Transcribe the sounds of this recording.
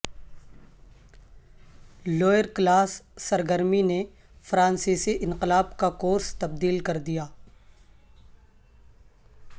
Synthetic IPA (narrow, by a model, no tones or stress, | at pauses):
loːjəɾklaːsːɐɾɡəɾmine | fɾãːnsiːsiʔɪ̃nqɪlaːbkakoːɾst̪ɐb̚d̪iːlkɐɾd̪ijaː